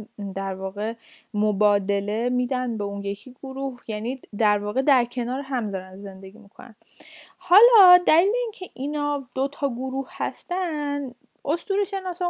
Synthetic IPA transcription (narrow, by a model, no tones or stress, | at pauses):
d̪æɾvɒːɣe̞mobɒːd̪e̞le̞miːd̪ænbe̞unje̞cʰiɡoɾuhjæːniːd̪æɾvɒːɣe̞d̪æɾcʰe̞nɒːɾeɦæmzɒːɾænd̪ze̞nd̪e̞ɡiːmikʰo̞̰næ̰n | hɒːlɒd̪æliːleiːncʰe̞ʔiːnɒːd̪̥ot̪ʰɒːɡoɾuːhhæst̪æn | ʔost̪uːɾeʃenɒːsɒ